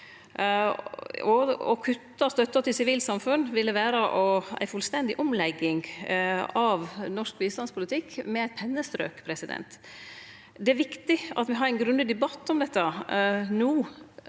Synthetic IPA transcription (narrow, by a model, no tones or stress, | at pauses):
ɔɔ̰kʰʉt̪ːɑst̪œt̪ːɑt̪ɪlsɪʋiːlsɑmfʉnʋɪlːəʋæːɾəʔɔæ̰ɪfʉlst̪ɛnd̪ɪʔɔmlɛɡːɪŋ | ɑʋnɔʂk̚biːst̪ɑnspʰʊlɪt̪ʰɪkːmɛæɪt̪̚pʰɛnːəst̪ɾø̰ːkpʰɾɛsɪd̪ɛ̰nt̪ | d̪ɛæɾʋɪkt̪ɪɑ̰t̪ʋɪɦɑɾæɪnɡɾʉnd̪əd̪ɛbɑt̪ːɔmd̪ɛt̪ːənuː